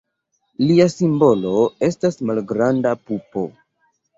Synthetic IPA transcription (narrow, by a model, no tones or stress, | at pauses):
liasimbo̞lo̞e̞stasmalɡɾandapupo̞